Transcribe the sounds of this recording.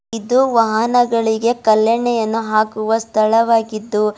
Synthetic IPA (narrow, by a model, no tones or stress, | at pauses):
id̪uʋɐɦɐnɐɡɐɭiɡe̞kɐlːɐɳːɛjɐnːuɦaːkuʋɐst̪ʰɐɭɐʋaːɡid̪ːu